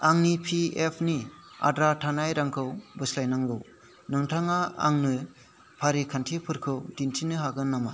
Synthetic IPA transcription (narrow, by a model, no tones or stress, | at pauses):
aŋnipʰiepʰnia̰dɾatʰanajɾaŋkʰɯwbɯslajnaŋɡɯw | nɯŋtʰaŋaa̰ŋnɯ | pʰaɾikʰantʰipʰɯɾkʰɯwdintʰinɯɦaɡɯnːama